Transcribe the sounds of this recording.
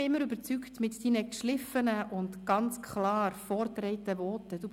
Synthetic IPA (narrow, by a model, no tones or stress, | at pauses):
ɪmːəɾʏbəɾt͡syktmɪtd̥iːnəkʃlɪfənəʔʊntɡ̥ɑnt͡skʰχlɑːrfɔːɾtɾɛɪtəvɔːtəd̥u